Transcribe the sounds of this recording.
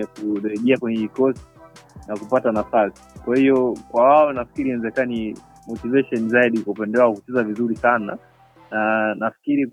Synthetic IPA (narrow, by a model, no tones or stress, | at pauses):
akuɾɛʄɛakwɛɲhɛiikɔsti̥nakupatanafasi̥kwahiɔkwawaɛnafi̥kiɾiɛnɛzɛkani | mɔtivɛʃɔnizaiɗikaupɛndɛwaɔkut͡ʃɛzavizuɾisana̰ | nanafi̥kiɾi